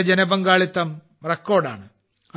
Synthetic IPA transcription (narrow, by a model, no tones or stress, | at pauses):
d͡ʑenɐbɐŋɡaːɭit̪ːɐm | rekːo̞ːrɖa̰ːɳɨ | ɐ